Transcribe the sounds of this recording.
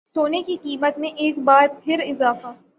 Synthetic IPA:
soːnekiqiːmət̪mẽʔeːkbaːɾpʰɪɾɪzaːfaː

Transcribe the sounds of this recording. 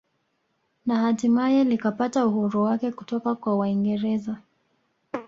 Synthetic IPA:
nahatimajɛlikapatauhuɾuwakɛkutɔkakwawaiŋɡɛɾɛza

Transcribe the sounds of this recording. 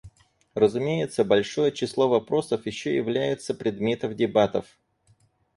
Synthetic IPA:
rəzʊmʲejɪt̪səbɐlʲʂo̞jət͡ɕɪslˠo̞vɐpɾo̞səfjɪɕːojɪ̰vlʲæjɪt̪səpɾʲɪd̪mʲe̞t̪əmdʲɪbat̪əf

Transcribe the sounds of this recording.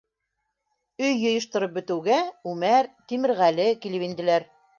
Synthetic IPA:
ɵjːŏjɤ̆ʃt̪ŏɾɤp̚bɵ̆t̪ɘ̆wɡæʉmæɾt̪imɘ̆ɾʁælɘkilɘpind̪ɘ̆læɾ

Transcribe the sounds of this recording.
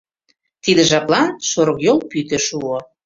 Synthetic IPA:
t̪id̪ĕʒɑplˠɑnʃoɾɤ̆kjolpyt̪ĕʃuo

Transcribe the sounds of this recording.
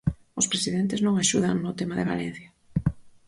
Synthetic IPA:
ʊspɾesiðent̪ɪznõŋaʃuð̞aŋnʊt̪emaðɪβa̰lḛn̟θja

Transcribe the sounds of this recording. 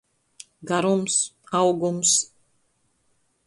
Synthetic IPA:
ɡaɾumsawɡums

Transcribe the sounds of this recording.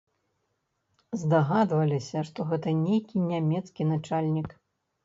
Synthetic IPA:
zd̪aɣad̪vɐlʲisʲɐʂt̪ɔɣɛt̪ɐnʲejkʲinʲamʲɛt̪skʲinat͡ʂalʲnʲik

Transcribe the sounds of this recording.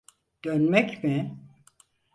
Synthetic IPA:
d̪̥ønmɛcmɪ

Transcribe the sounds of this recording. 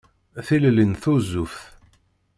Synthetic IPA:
θillənθuzːufθ

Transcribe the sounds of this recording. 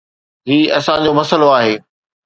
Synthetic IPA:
ɦiːɐsãd͡ʑomɐsəloaːɦeː

